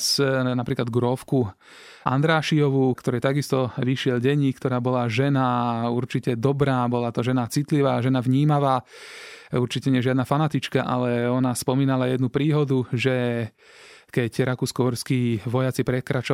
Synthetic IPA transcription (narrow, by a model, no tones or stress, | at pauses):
snapɾiːklad̪ɡɾɔfku | ʔa̰nd̪ɾaːʃiɔʋukt̪ɔɾɛjt̪aɡist̪ɔʋiʃɪɛlɟɛɲːikt̪ɔɾaːbɔlaʒɛnauɾt͡ʃicɛd̪ɔbɾaːbɔlat̪ɔʒɛnat͡sit̪liʋaːʒɛnaʋɲiːmaʋaː | uɾt͡ʃicɛɲɪɛʒɪad̪nafanat̪it͡ʃkaʔa̰lɛɔnaspɔmiːnalajɛd̪nupɾiːɦɔd̪uʒɛ | kɛcɾakuːskɔɔɾskiːʋɔjat͡sipɾɛkɾat͡ʃɔ